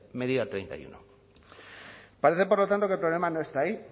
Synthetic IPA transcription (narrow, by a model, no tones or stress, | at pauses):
meðiat̪ɾejnt̪a̰jṵno | paɾe̞θepoɾlot̪ant̪okelpɾole̞mano̞e̞st̪aːi